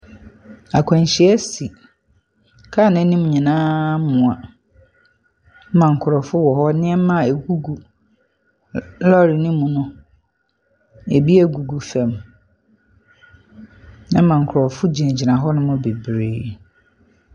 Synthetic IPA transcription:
a˨kʷʰɔ̃˨n˨ɕɪ˨˦ɛ˦si˨ | kʰa˦˨nɛ̃˨˦nĩ˦m˨ɲĩ˨nãː˦mʊ̃˨a˨˦ | mã˨ŋ̩˨kʰʊ˨ɾɔ˨fʊ˦wɔ˨ɦɔ˦nɪ̃˦ɛ˦mã˨e˨ɡu˦ɡu˨ | lɔ˦ɾɪ˨nɪ̃˦mũ˨nʊ̃˦ | e˨bi˦æ˨ɡu˨ɡu˨fæ̃˨m | nã˦mã˨ŋ̩˨kʰʊ˨ɾɔ˨fʊ˦d͡ʑi˨ɛ̃˨d͡ʑi˨nã˨ɦɔ˦nʊ̃˦mʊ̃˦be˨bɾeː˦˨

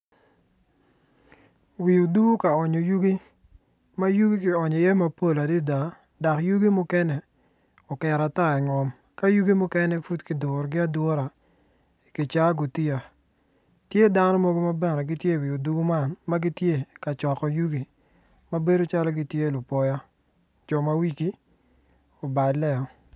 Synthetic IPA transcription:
wi˨u˨du˦ɡu˦ka˨ɔ˨ɲo˨ju˦ɡi˦ | ma˦ju˦ɡi˦kɪ˨ɔ˨ɲɔ˨jɛ˦ma˦po˦la˨di˦da˨ | da˨kju˦ɡi˦mʊ˦kɛ˦nɛ˨ | ɔ˨kɛ˨ɾa˨ta˦˨ɛ˨ŋɔ˨m | ka˦ju˦ɡi˦mʊ˦kɛ˦nɛ˦fu˦tkɪ˨dʊ˨ɾɡɪ˦a˦dwɔ˦ɾa˨ | i˨kɪ˨t͡ʃa˦ɡo˨ti˦a˨ | tje˦da˦nɔ˦mo˦ɡo˦ma˦bɛ˨nɛ˨ɡɪ˦tje˦˨wi˨o˨du˦ɡo˦ma˦˨nma˦ɡi˦tje˦ka˨t͡ʃɔ˨kɔ˨ju˦ɡi˨ | ma˦be˦do˦t͡ʃa˦lɔ˦ɡi˦tje˦˨lʊ˨pɔ˦ja˦ | d͡ʒɔ˨ma˦wi˦ki˦ | o˨ba˨lɛ˦ɔ˨

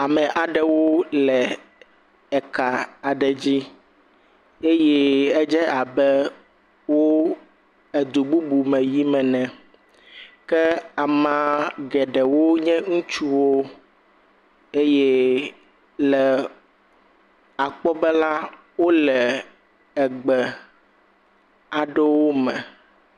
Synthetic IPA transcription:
a˨mɛ˨ʔa˨ɖɛ˨wo˦lɛ˨ | ɛ˨ka˨a˨ɖɛ˨d͡ʑi˦ | e˦jɛ˦ɛ˦d͡ʒɛ˦ʔa˨bɛ˦ | wo˦ | ɛ˨d̪u˨bu˦bu˨mɛ̃˨ji˦mɛ̃˨nɛ̃˨ | kɛ˦a˨mã˨ɡɛ˨ɖɛ˨wo˦ɲɛ̃˦ŋũ˦t͡ʃu˦wo˦ | e˦jɛ˦ | lɛ˨ | a˨k͡pɔ˦bɛ˦la˦ | wo˦lɛ˨ | ɛ˨ɡ͡bɛ˨ | a˨ɖɛ˦wo˦mɛ̃˨

